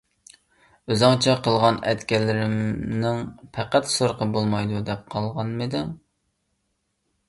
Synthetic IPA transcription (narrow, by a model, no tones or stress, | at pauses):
øzɑŋt͡ʃʰɛqʰəlˠʁɑnɛt̪kʲɛlːɪɾɪmnɪŋpʰæqæt̪soɾqəbolˠmɑjd̪ud̪ɛp̚qʰɑlˠʁɑnmɨd̪ɪŋ